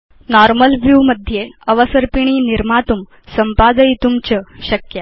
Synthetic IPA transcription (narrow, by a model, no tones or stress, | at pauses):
nɔɾməlʋjuməd̪ʱjeəʋəsəɾpiɳ̃iːniɾmat̪um | səmpad̪əjit̪umt͡ɕəɕəkja